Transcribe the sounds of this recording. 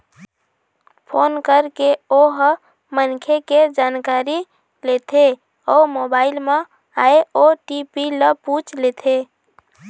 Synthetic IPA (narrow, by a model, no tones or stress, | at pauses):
pʰonkəɾkeoɦ | mənkʰeked͡ʒankaɾi | let̪ʰe | ɔmobailme | aeoʈipiləput͡ʃlet̪ʰe